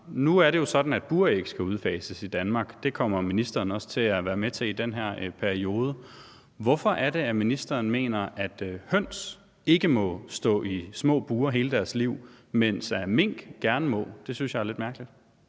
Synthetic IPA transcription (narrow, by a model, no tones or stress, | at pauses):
nuæɐɾe̝jo̝sɒ̽d̥n̩æd̥̚b̥uːɐeɡ̥sɡ̥æuð̞ˠfɛ̰ːsəsid̥ænmɑ̈ːɡ̥d̥e̝kʰɒ̽m̰ɐminisd̥ɐːnɒ̽sə̥t͡sʰe̝læʋæːɐmet͡sʰe̝id̥enɦæɐ̰pʰæɐio̝ːð̞ˠə | ʋɒ̽fɒ̽ʔæɐɾe̝æminisd̥ɐːnme̝̰ːnɐʔæd̥hœn̰s | e̝ɡ̥əmɒ̽sd̥ɔ̰̽ːismɔ̰̽ːb̥uːɐɦe̝ːləd̥æɐsliʊ̰mensæɐme̝ŋ̰ɡ̥ɡ̥æɐnəmɔ̰̽ːd̥e̝synsjɑ̈æɐle̝d̥mæɐɡ̥əlid̥